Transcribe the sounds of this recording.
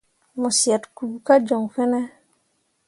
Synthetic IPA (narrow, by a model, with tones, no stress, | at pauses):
mɔ˨si˨a˨tku˨ɡu˨ka˦d͡ʒɔ˨ŋfɛ˦nɛ˦